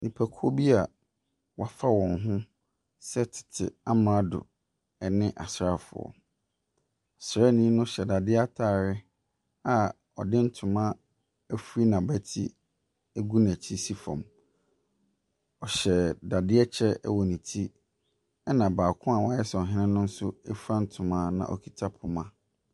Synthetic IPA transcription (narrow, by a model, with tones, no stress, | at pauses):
nĩ˨pʰæ˨kʰo˦bi˦a˨ | wa˨fa˦wɔ̃˨nɦʊ̃˦ | sɛ˦tʰɪ̥˨tʰɪ̰˨a˦mã˦dʊ̰˨ | ɛ˨nɪ̃˦ʔa˨sɾa˦˨fʊ̰˨ɔ̰˨ | a˨sɾa˦nĩ˦nʊ̃˦ɕɛ˨da˨dɪ˦a˦tʰaː˦˨ɾɪ˦ | a˨ | ɔ̰˨dɪ̃˦n̩˦tʰʊ̃˨mã˦ | æ˦fu˦ɾi˦nã˨bæ˦tʰḭ˦ | æ˦ɡu˦n˨æ˨t͡ɕʰi˦si˦fɔ̰̃˨m | ɔ˨ɕɛ˨da˨dɪ˦ɛ˦t͡ɕʰɛ˦ɛ̰˦wɔ˨nĩ˨tʰi˦ | ɛ˦nã˨baː˨kʰʊ̃˦a˨wa˦ɛ˦sɛ˨ɔ˨ɦɪ̃˦nɪ̃˦nʊ̃˦n̩˦sʊ˦ɛ˦fã˦n̩˦tʰʊ̃˨mãː˦nã̰˨ʔɔ̰˨kʰi˨tʰa˦pʰʊ˨mã˦